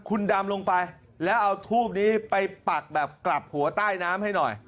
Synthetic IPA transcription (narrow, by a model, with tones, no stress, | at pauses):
kʰu˧nda˧mlo˧ŋpa˧j | lɛː˦˥wʔa˧wt̪ʰuː˥˩p̚niː˦˥pa˧jpa˨˩k̚bɛː˨˩p̚kla˨˩p̚hu˨˩˦ɐt̪aː˥˩jnaː˦˥mha˥˩jnɔ˨˩j